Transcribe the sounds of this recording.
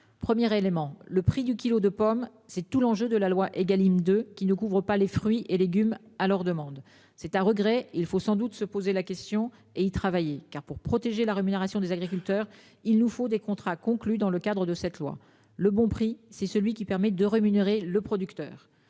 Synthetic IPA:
pχəmjɛʁelemɑ̃ləpχid̪ykʲilod̪əpɔm | sɛt̪ulɑ̃ʒød̪əlalwaʔeɡalimd̪økʲinəkuvʁəpalefχɥiʔeleɡʲymalœʁd̪əmɑ̃d̪ | sɛt̪ɛ̃ʁəɡʁɛilfosɑ̃d̪ut̪səpozelakʲɛst̪jɔ̃ | eit̪χavajekaʁpuʁpχɔt̪eʒelaʁemyneʁasjɔ̃d̪ezaɡʁik̬ʲylt̪œʁ | ilnufod̪ekɔ̃t̪χakɔ̃klyd̪ɑ̃ləkad̪ʁəd̪əsɛt̪lwa̰ | ləbɔ̃pχisɛsəlɥikʲipɛʁmɛd̪əʁemyneʁeləpχɔd̪ykt̪œ̰ːʁ

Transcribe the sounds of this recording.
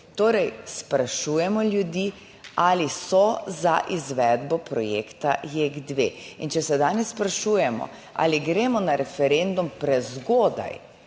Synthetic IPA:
t̪oːɾɛjspɾaʃuːjɛmɔlʲjud̪iː | aːlisɔzaʔizʋɛd̪bɔpɾɔjḛːkt̪a̰jeɡd̪ʋḛːint͡ʃɛsɛd̪aːnɛsːpɾaʃuːjɛmɔ̰ | a̰liɡɾeːmɔnaɾɛfɛɾend̪umpɾɛzɡoːd̪a̰j

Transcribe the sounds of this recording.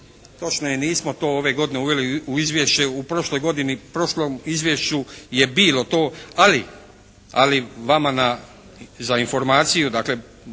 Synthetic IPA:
t̪o̞t͡ʃnojeniːsmo̞t̪o̞ːo̞ʋe̞ɡo̞d̪ine̞uʋe̞liuizʋje̞ʃt͡ʃeupɾo̞ʃlˠojɡo̞d̪inipɾo̞ʃlomizʋʲje̞ʃt͡ʃuje̞biːlo̞t̪o̞ːali | a̰liʋamana | zainfo̞ɾmaːt̪sijud̪aːkle̞

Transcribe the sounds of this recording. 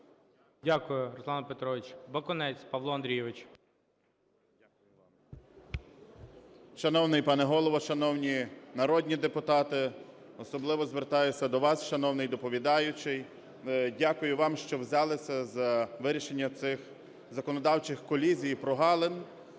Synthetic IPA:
dʲakʊjʊrɔslˠɑnɐpet̪ɾɔʋʲɪt͡ʃbɐkɔnɛt͡sʲpɐʋlˠɔɐnd̪ɾʲijɛʋɪt͡ʃ | akʊjʊ | ʃɐnɔwnɪjpɑnɛɦɔlˠɔʋɔʃɐnɔwnʲinɐɾɔdʲnʲid̪epʊt̪ɑt̪ɪɔsɔblˠɪʋɔzʋert̪ɑjʊt͡sʲːɐd̪ɔʋɑsʃɐnɔwnɪjd̪ɔpɔʋʲid̪ɑjʊt͡ʃɪj | dʲakʊjʊʋɑmʃt͡ʃɔwzʲɑlˠɪsʲɐzɐʋɪɾʲiʃenʲːɐt̪sɪx | zɐkɔnɔd̪ɑwt͡ʃɪxkɔlʲizʲijpɾɔɦɑlˠen

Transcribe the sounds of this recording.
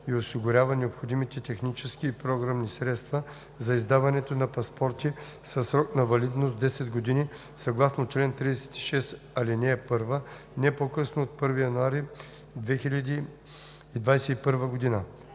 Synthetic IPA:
iosiɡʊɾʲavɐnɛopxod̪imit̪ɛt̪ɛxnit͡ʃɛskiːpɾoɡɾamnisɾɛt̪st̪vɐ | zɐizd̪avɐnɛt̪onɐpɐspɔɾt̪i | sɐsɾɔknɐvɐlid̪nost̪d̪ɛsɛd̪ɡod̪ini | sɐɡlˠasnot͡ʃlɛnt̪ɾid̪ɛsɛ̥t̪i̥ʃɛs | ɐlinɛːpɤɾvə | nɛpokɤsnoːt̪̚pɤɾvijɐnuaɾi | d̪vɛxilʲɐd̪iː | d̪vajsɛipɤɾvəɡod̪inə

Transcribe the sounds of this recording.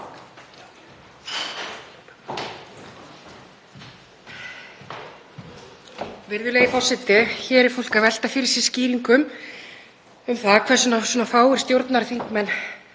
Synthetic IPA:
vɪɾðʏleːjɣifɔsɪt̪ɪçɛːɾɪɾ̥fol̥kavɛl̥t̪afɪɾsɪ̥sciːɾiŋkʏm | ʏmθaðkʰvɛɾ̥sʏnasunafaːwɪɾ̥st̪jowɾt̪naɾθiŋkmɛnː

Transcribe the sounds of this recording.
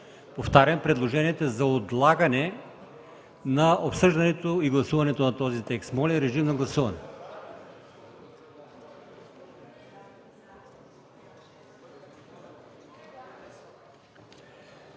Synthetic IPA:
poft̪aɾʲjɐmpɾɛd̪lˠoʒɛniɛt̪ozɐod̪lˠaɡɐnɛ | naopsɤʒd̪ɐnɛt̪oiɡlˠɐsuvɐnɛt̪onɐt̪ɔzit̪ɛkst̪mɔlʲɛɾɛʒimnɐɡlˠɐsuvɐnɛ

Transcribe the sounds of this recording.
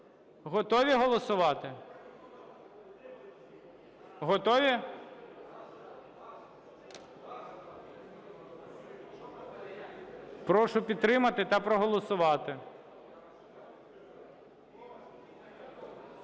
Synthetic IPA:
ɦɔt̪ɔʋʲiɦɔlˠɔsʊʋɑt̪ɪ | ɦɔt̪ɔʋʲi | pɾɔʃʊpʲid̪t̪ɾɪmɐt̪ɪt̪ɐpɾɔɦɔlˠɔsʊʋɑt̪ɪ

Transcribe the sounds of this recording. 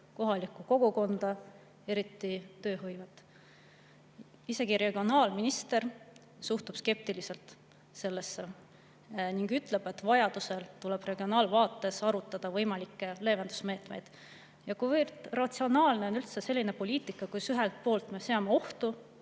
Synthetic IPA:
ko̞ɦɑlikːˑuko̞ɡ̥uko̞nd̪ɑ | e̞ɾit̪ːˑit̪ø̞ːɦɯjvet̪ːˑ | ise̞ɡ̥iɾe̞ɡ̥io̞nɑːlminist̪e̞r | suht̪ub̥ske̞p̚t̪ilise̞lt̪ | se̞lːesːe̞ | niŋɡyt̪ˑle̞b̥e̞t̪ːvɑjɑd̪̥use̞lt̪ule̞b̥re̞ɡio̞nɑːlvɑːt̪ːˑe̞sɑɾut̪ːˑɑd̪̥ɑvɤjmɑlikːe̞le̞ːvend̪̥u̥sme̞ːt̪mejd̪̥ | jɑkujvert̪rɑt̪sio̞nɑːlne̞o̞nylt̪sese̞lʲːine̞po̞lʲiːt̪ˑikːˑɑkusyɦelt̪̚po̞ːlt̪me̞se̞ɑmeo̞ht̪u

